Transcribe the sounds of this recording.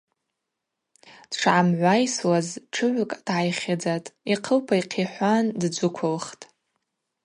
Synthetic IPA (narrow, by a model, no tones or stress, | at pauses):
d̥ʈ͡ʂʰʕamʕʷajswazʈ͡ʂʰɨʕʷʊkʼd̥ʕajχʲad͡zatʼiqʰəlpʰaiqʰiħʷandd͡zʷʊkʷʰʊlχtʼ